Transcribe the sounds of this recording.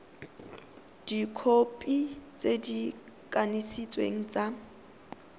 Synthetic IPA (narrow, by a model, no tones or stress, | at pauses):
d̥ikʰopʼit͡sʼedikʼanisit͡sʼwḛŋ̩t͡sʼa